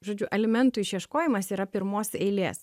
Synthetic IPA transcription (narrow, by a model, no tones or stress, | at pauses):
ʒoːd͡ʒʲʊʔɛlʲɪmʲɛnt̪ʊɪʃiɛʃkoːjɪmɐsiːɾɐpʲɪɾmoːsɛɪlʲḛːs